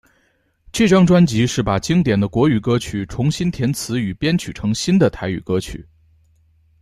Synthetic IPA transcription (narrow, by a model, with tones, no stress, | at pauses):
t͡ɕʰy˥˩ʈ͡ʂɑ˥ŋʈ͡ʂwa˥nt͡ɕi˧˥ʂɻ̩˥˩pa˨˩t͡ɕi˥ŋt̪jɛ˨˩nd̪ə˦kwɔ˧˥y˨˩kɤ˥t͡ɕʰy˨˩ʈ͡ʂʰʊ˧˥ŋɕi˥nt̪ʰjɛ˧˥nt͡sʰɹ̩˧˥y˨˩pjɛ˥nt͡ɕʰy˨˩ʈ͡ʂʰɤ˧˥ŋɕi˥nd̪ə˨t̪ʰa˧˥ɪy̰˨˩kɤ˥t͡ɕʰy̰˨˩˦